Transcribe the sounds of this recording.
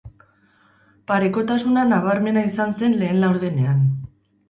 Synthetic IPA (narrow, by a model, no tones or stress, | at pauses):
paɾe̞ko̞t̪asunanaβ̞aɾme̞naisanse̞nle̞ːnlawɾð̞ene̞an